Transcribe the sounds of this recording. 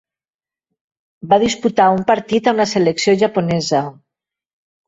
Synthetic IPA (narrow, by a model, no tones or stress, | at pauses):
baðisput̪aumpaɾt̪it̪aunaseleksioʒapunɛzə